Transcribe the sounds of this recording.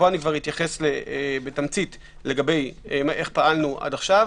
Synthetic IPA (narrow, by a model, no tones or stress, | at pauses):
oanikvaʁitjaχe̞slebetamt͡sit | le̞ɡabejmaʔe̞χpaalnuʔa̰daχʃav